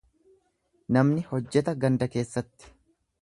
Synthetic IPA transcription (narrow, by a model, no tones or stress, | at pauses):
nɐmnɪhɔd͡ʒːɛt̪ɐɡɐnd̪ɐke̞ːsːɐt̪ːɪ̥